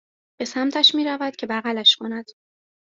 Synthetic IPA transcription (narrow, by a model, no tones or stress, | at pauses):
b̥e̞sæmt̪ʰæʃmiːɾævæd̪̥̚cʰe̞bæɣælæʃkʰo̞næd̪̥